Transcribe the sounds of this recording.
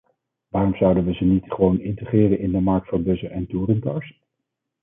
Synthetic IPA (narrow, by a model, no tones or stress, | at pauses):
ʋaːrɔmzʌwdənʋəzənitχəʋownɪntəχrɪːrənɪndəmɑɹk̚tfɑnbɵzəʔɛntuːrəntɑɹs